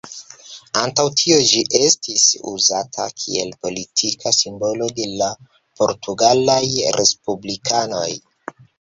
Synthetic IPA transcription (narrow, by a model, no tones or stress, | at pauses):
antawtʰio̞d͡ʒiʔe̞stisṵzatʰa̰kʰḭe̞̰lpo̞litʰikʰasimbo̞lo̞de̞la | po̞ɾtʰuɡalajɾʔe̞spublikʰano̞j